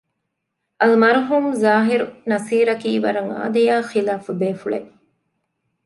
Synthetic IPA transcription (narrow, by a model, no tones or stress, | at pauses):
ɐlmɐɾɦuːmzaːɦiɾunɐsiːɾɐkiːʋɐɾɐŋa̰ːd̪ɐjaːxilaːfubeːfuɭḛ